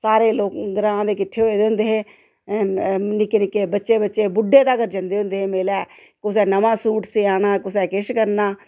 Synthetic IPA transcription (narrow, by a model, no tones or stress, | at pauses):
saːɾeːloːkd̪əɾãːd̪eːkɪʈʰːeːoeːd̪eːɦʊ̃nd̪eːɦẽː | nɪkːeːnɪkːeːbətːʃeːbətːʃeːbʊɖːeːt̪aːkəɾd͡ʒə̃nd̪eːɦʊ̃nd̪eːɦẽːmeːlɛː | kʊsɛːnəmãːsuːʈsiːaːnaːkʊs̬ɛːkɪʃkəɾnaː